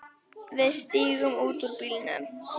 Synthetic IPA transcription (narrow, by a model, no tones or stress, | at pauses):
vɪðst̪iːɣʊmuːt̪uɾpilnə̰